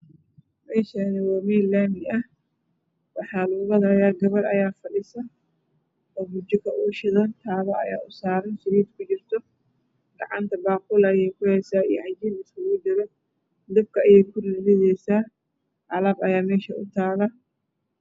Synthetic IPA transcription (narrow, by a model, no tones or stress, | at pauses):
mɛːʃɐnɪwaːmilaːmɪɐh | wɑħɑːlʊɣʊɣɐðɐjaːɡɐβɐrɐjaːfɐɗɪsɐ | ɔːbʊt͡ʃɪkʰɐʔuːʃɪðɐnt̪ʰaːβɐɐ̰ja̰ːʔʊsaːɾɐnsɪɾiːd̪kʰʊt͡ʃɪrt̪ʰɔ | ɡ̥ɑʕɑnt̪ʰɐbaːqʊlɐjɛjkʰʊhɛːsaːijʕɑd͡ʒiːlɪskʊɣʊd̪ɪlɛ | d̪ɐb̚kʰɐɐjɛjkʰʊrjɪðɛjsaː | ʕɑlɐbɐjaːmɛːʃɐʔʊ̰t̪ʰaːlɐ